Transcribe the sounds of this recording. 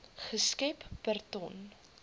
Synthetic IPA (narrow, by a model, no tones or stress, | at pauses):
χəskɛpb̥ərtɔn